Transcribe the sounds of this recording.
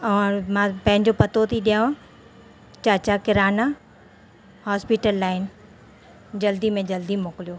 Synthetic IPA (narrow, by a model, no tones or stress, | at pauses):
ɐʋãmãpɐ̃ɦɪ̃ɲd͡ʑopɐt̪ʰot̪ʰiɗijã | t͡ɕaːt͡ɕakɪɾaːna | haːspiʈəlːaːɪn | d͡ʑɐld̪imẽd͡ʑɐld̪imoːkɪlijoː